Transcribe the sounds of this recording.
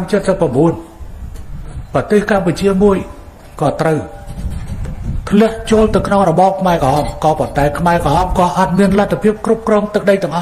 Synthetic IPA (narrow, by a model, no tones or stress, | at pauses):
amt͡ɕət̪̚səpːrɑmɓuən | prɑt̪eːhkamput͡ɕiəmuəj | kɑːt̪rəw | pʰlɛ̆əʔt͡ɕoəlt̪ɨwkʰnoŋrɔɓɑːp̚kʰmaɛkɑhɑːmkɑːpont̪aɛkʰmaɛkɑɦɑːmkɑːʔat̪̚miənlat̪ʰːapʰiəp̚krup̚krɔːŋt̪ɨk̚ɗəjt̪ɛ̆əŋʔɑh